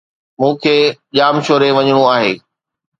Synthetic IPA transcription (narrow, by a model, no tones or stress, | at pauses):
mũːkʰeːʄaːmʃoːɾeʋɐɲɪɽ̃uaːɦeː